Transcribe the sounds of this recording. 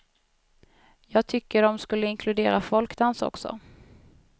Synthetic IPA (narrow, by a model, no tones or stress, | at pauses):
jɑːɡ̚t̪ʰʏkːəɖɔmskɵlːəɪŋkʰlɵd̪eːɾafɔlkd̪ansɔ̰ksɔ̰